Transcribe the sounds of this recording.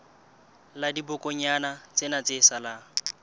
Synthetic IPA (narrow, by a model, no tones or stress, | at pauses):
ladibʊkʼɔɲanat͡sʼenat͡sɪsala